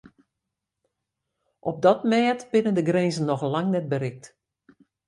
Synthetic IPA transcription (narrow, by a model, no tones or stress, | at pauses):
ʔɔp̚dɔtmɛːtb̥ɪnəndəɡrenzən̩ːɔxlaŋnɛt̚bəɾɪk̚t